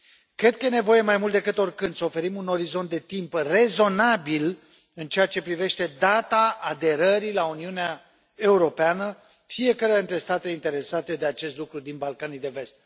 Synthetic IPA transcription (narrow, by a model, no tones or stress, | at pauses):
kɾe̞d̪̚kəje̞ne̞vo̞je̞majmult̪d̪e̞kɨt̪o̞rkɨnd̪səo̞fe̞ɾimuno̞ɾizo̞nt̪d̪e̞t̪impre̞zo̞nabil | ɨnt͡ʃe̞at͡ʃe̞pɾive̞ʃt̪e̞d̪at̪aːd̪e̞ɾəɾilauniunea | e̞uɾo̞peanə | fije̞kəɾeant̪ɾe̞st̪at̪eint̪e̞ɾe̞sat̪e̞d̪e̞at͡ʃe̞st̪lukɾud̪inbalkanijd̪e̞ve̞st̪̚